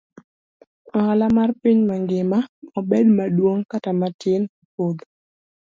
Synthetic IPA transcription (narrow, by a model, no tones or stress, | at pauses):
ɔalamarpiɲmaŋɡɪmaɔbedmadwoŋkatamatɪnopod̪